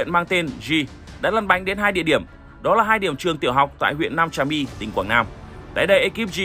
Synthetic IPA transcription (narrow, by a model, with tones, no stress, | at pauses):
nmaː˧ŋt̪e˧nzi˧ | ɗa̰ː˧˥lə˨˩nɓa̰˧˨jŋ̟ɗe˨˦nɦaː˧jɗḭ˧əɗi˧˩əm | ɗɔ˨˦laː˨˩ɦaː˧jɗi˧˩əmt͡ɕɨ˨˩əŋt̪i˧˩əwɦa˨˩wk͡p̚t̪a̰ː˧˨jɦwḭ˧ənːaː˧mt͡ɕaː˧mi˧t̪ï˨˩ŋkwaː˧˩ŋnaː˧mt̪a̰ː˧˨jɗə˧jʔə˧ki˦˥p̚z